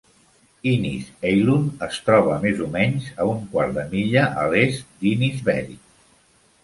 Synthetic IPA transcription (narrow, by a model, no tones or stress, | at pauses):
inḭzejlunəst̪ɾɔβ̞əmezumɛɲzəuŋkwaɾd̪əmiʎəʔəlest̪d̪inizβɛ̰ɾḭ